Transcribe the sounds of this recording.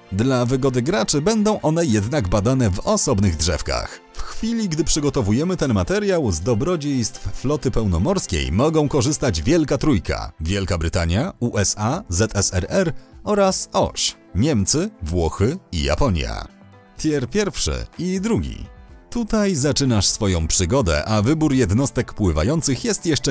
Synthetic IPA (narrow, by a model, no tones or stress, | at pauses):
d̪lavɘɡɔd̪ɘɡɾat͡ʂɘbɛnd̪ɔ̃w̃ʔɔn̪ɛjɛd̪naɡbad̪anɛvɔsɔbnɘɣdʐɛ̰fka̰x | fxfʲilʲiɡd̪ɘpʂɘɡɔt̪ɔvujɛmɘt̪ɛnmat̪ɛɾjawzd̪ɔbɾɔd͡ʑejst̪fflɔt̪ɘpɛwnɔmɔɾskʲḛjmɔɡɔ̃w̃kɔʐɘst̪ad͡ʑvʲjɛlkat̪ɾujkʰa̰vʲjɛlkabɾɘt̪aɲjauʔɛsazɛt̪ɛsɛɾɛɾɔɾasɔ̰ɕ | ɲɛmt̪sɘvwɔxɘḭja̰pɔɲja̰ | t̪ʲjɛɾpʲjɛɾfʂɘ̰id̪ɾuɡʲḭt̪ut̪ajzat͡ʂɘnaʂsfɔjɔ̃w̃pʂɘɡɔd̪ɛ̰ʔavɘbuɾjɛd̪nɔst̪ɛkpwɘva̰jɔnt̪sɘxjɛst̪jɛʂt͡ʂɛ